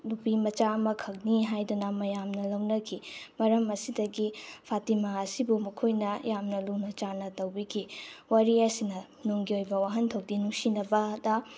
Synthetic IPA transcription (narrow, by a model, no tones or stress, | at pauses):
lupimɐt͡ʃaɐmɐkʰɐk̚niɦajdunɐmɐjamnɐlɐwnɐkʰimɐɾɐmɐsidɐɡipʰatimaɐsibumɐkʰojnɐjamnɐlunɐt͡ʃanɐtɐwbikʰiwɐɾiɐsinɐ | nuŋɡiojbɐwaɦɐntʰok̚dinuŋsinɐbɐdɐ